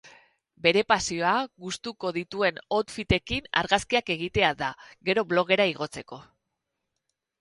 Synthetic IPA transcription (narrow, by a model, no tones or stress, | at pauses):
be̞ɾe̞pasio̞aɣust̪uko̞ðit̪ue̞no̞t̪fit̪e̞kina̰ɾɣaskiake̞ɣit̪e̞aðaɣe̞ɾo̞βlo̞ɣe̞ɾaiɣ̞o̞t͡se̞ko̞